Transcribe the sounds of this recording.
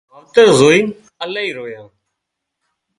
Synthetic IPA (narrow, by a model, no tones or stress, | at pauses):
əʋt̪əɾzoːiː | əlaːiːɾoːjãː